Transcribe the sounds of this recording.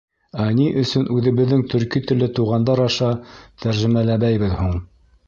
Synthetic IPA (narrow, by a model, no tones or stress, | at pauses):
æniʔɵ̆sɵnʔʉðɘ̆βɘ̆ðːɘŋt̪ʰɵ̆ɾkit̪ɵ̆lɘt̪uʁɑnd̪ɑɾɑʃɑt̪ʰæɾʒɘ̆mælæβæjβɘðhuɴ